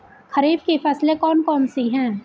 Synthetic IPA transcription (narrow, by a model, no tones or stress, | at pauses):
kʰɐɾiːbkefʰɛslekɔːnkɔːnsiɦɛ̃ː